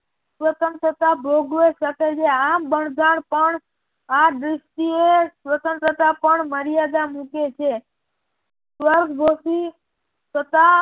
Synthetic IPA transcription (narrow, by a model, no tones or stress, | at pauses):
sʋət̪ənt̪ɾət̪abʱoɡɾoʃəket͡ʃʰeabəɳɡ̪aɳpəɳ | ad̪ɾɪsʈiesʋət̪ənt̪ɾət̪apəɳməɾjad̪amũket͡ʃʰe | sʋəɾɡʱbʱosi | sət̪a